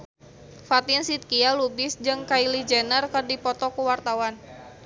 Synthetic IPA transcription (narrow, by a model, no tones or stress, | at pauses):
fat̪iənsit̪̚kialubɪsd͡ʒɨŋkailid͡ʒɛnərkərdipɔt̪ɔkuwart̪awan